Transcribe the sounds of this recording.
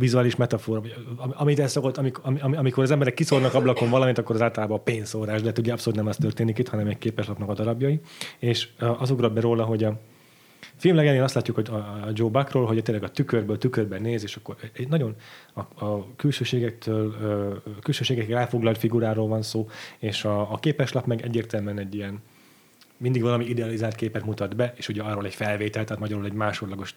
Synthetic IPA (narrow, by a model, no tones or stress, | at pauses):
vizuaːliʃmɛt̪ɒfoːɾɒmɒmit̪ɛsokot̪ːɒmikɒmiɒmiɒmikoɾɒzɛmbɛɾɛkːisornɒkɒblɒkoɱvɒlɒmint̪ɒkːo̞ɾɒzaːlt̪ɒlaːbɒpeːnsoːraːʒd̪ɛɛt̪uɟɛɒpsoluːt̪nɛmɛst̪ørt̪eːnikit̪hɒnɛmɛc̚keːpɛʃlɒpnɒkɒd̪ɒɾɒbjɒjieːʃɒzuɡrɒbbɛɾoːlɒɦo̞ɟɒ | filmlɛɡɛneːnɒst̪laːcːukho̞ɟɒd͡ʒoːbɒkroːlɦoɟt̪eːlɛɡɒt̪ykørbøːlt̪ykørbɛneːzeːʃɒkːoɾɛɟnɒɟo̞nɒɒkylʃøːʃeːɡɛk̚t̪ʰøːløkylʃøːʃeːɡɛkrɛɾɛːfo̞ɡlɒlt̪fiɡuɾaːɾoːlvɒnsoːeːʃɒːkeːpɛʃlɒpmɛɡɛ̰ɟːeːrt̪ɛlmyɛnɛɟːijɛn | mind̪iɡvɒlɒmiid̪ɛɒlizaːlt̪̚keːpɛt̪mut̪ɒd̪bɛeːʃuɟɛɒrːoːlɛcfɛlveːt̪ɛlt̪ɛːt̪mɒɟɒɾulɛɟmaːʃo̞rlɒɡo̞ʃ